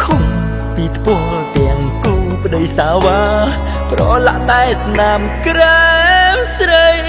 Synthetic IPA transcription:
kʰoŋ | piːt̪ʰpɔəlt̪ɛ̆əŋ | kuːpə̆ɗəjsaːʋaː | prɑːlaʔɗaɛsnaːmkramsrəj

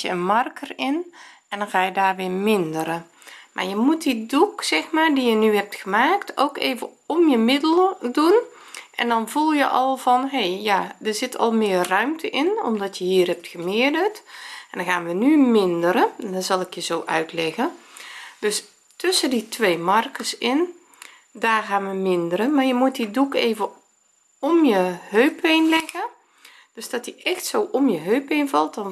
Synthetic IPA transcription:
jəənmɑrkʰərɪn | ɛndɔnɣaːjədaːrʋɪːmɪndəɾə | mʔa̰ːɹjəmut̚diduksɛxmaːrdijənyhɛp̚txəmaːktʰo̰wkeːvə | ɔmjəmɪdəlˠədun | ʔɛ̰ndɔnvulˠjəʔɑlˠv̥ɔnɦejjadəɹzɪtʰɔ̰lˠmɪːrrœɥmtʰəʔɪnɔ̰mdɔtjəɦiːrhɛp̚txəmɪədərtʔɛndɔxaːnʋənymɪndəɾədɔnzɑlˠɪkjəzoːʔœ̰ɥtlɛɣə | d̥øs | tøsəditʰʋeːmɑrkəsɪn | daːrɣaːnʋəmɪndəɾəmaːɹjəmut̚didukeːvə | ɔmjəhøɥpenlɛɣə | d̥øsd̥ɔtiʔɛxtsowʔɔmjəɦøɥpejnvɑlˠt̚dɔn

